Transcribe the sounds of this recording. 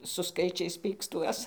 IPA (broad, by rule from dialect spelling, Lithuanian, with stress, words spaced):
sʊ ˈskɐɪt͡ʃʲɛɪs ˈpʲiːkstuɔs